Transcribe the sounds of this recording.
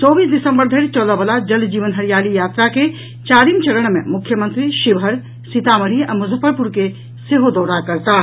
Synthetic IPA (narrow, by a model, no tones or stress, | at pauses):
t͡ʃɔːbiːsd̪ɪsə̃mbəɾd̪ʱəɪɾt͡ʃɔːləbəlad͡ʒɐld͡ʒiːʋənɦəɾijaːlijaːt̪ɾake | t͡ʃaːɾiːmt͡ʃɐləɽ̃mḛ̃mʊkʰːjəmə̃nt̪ɾiʃɪbɦəɾ | sit̪aməɽ̤iə̰̃mʊzʱəpːəɾpuɾke | seɦod̪ɔːɾakəɾt̪a